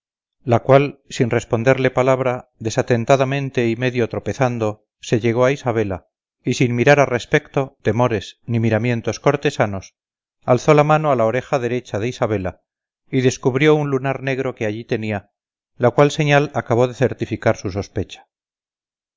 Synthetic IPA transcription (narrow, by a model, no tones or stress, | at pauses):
lakwalsinre̞spo̞nd̪e̞ɾle̞palaβ̞ɾaðe̞sat̪e̞nt̪aðamẽ̞nt̪e̞ime̞ðjo̞t̪ɾo̞pe̞θand̪o̞ | se̞ʎe̞ɣ̞o̞aisaβ̞e̞la | isinmiɾaɾare̞spe̞kt̪ot̪e̞mo̞ɾe̞snimiɾamje̞nt̪o̞sko̞ɾt̪e̞sano̞s | alθo̞lamanoalaoɾe̞xaðe̞ɾe̞t͡ʃaðe̞isaβ̞e̞la | iðe̞skuβɾjo̞unlunaɾne̞ɣ̞ɾo̞ke̞aʎit̪e̞nia | lakwalse̞ɲalakaβ̞o̞ðe̞θe̞ɾt̪ifikaɾsus̬o̞spe̞t͡ʃḁ